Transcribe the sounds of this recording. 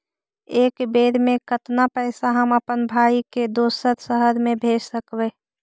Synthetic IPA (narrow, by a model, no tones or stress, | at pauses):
eːkbeːɾmẽkət̪napɛɪsaɦəməpənbʱaːiked̪oːsəɾsəɦəɾmẽbʱeːd͡ʒsəkweː